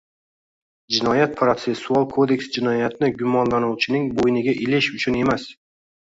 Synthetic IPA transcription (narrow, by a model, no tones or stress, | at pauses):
d͡ʒɪnɒjat̪̚pʰɾot̪se̞sːualˠkʰo̞d̪e̞kʲsd͡ʒɪnɒjat̪ʰɪnɪɡʲʊmɒnlanʊwt͡ʃʰɪnɪŋbojnɪɡʲaʔɪlɪʃʊt͡ʃʰʊne̞mas